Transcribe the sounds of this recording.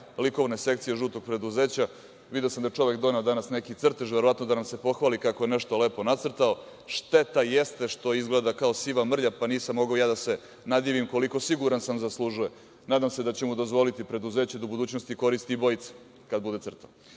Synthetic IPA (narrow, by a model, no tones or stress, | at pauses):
liko̞ʋnese̞k̚t̪sijeʒuːt̪o̞ɡ̚pɾe̞d̪uze̞ːt͡ɕa | ʋid̪eosamd̪at͡ʃo̞ʋekd̪o̞ned̪anasne̞kit̪sr̩t̪eʒveɾo̞ʋat̪no̞d̪anamse̞po̞xʋaːlikako̞je̞neʃt̪o̞leːpo̞nat̪sr̩t̪ao̞ | ʃt̪e̞t̪ajest̪e̞ʃt̪o̞izɡled̪akao̞siʋamr̩ʎapaniːsamːo̞ɡaojaːd̪ase̞ | nad̪iːʋimko̞liko̞siɡuɾansamzaslˠuʒuje̞ | naːd̪amse̞d̪at͡ɕemud̪o̞zʋo̞lit̪ipɾe̞d̪uze̞ːt͡ɕed̪aubud̪uːt͡ɕno̞st̪iko̞ɾist̪iːbo̞jt̪se̥ | kad̪̚bud̪e̞t̪sr̩t̪a